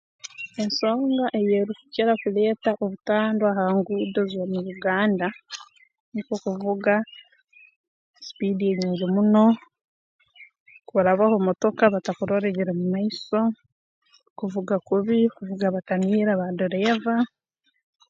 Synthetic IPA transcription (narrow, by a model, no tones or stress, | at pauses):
e̞nso̞ːŋɡaʔe̞jeːɾukuceɾakule̞ːtaʔoβutaːndoahaŋɡuːdozomuɾuɡaːnda | nikokuvuɡa | si̥pidieɲiːɲɟemuno̞ | kuɾaβahomoto̞kaβatakuɾo̞ɾe̞ɟeɾemumaiso̞ | kuvuɡakuβikuvuɡaβataniːɾaβadoɾeva